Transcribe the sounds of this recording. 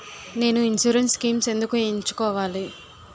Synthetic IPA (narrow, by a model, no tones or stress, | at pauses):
ne̞ːnuinsuːɾenskiːmse̞nd̪ukueɲt͡ʃu̥kɔːʋaːli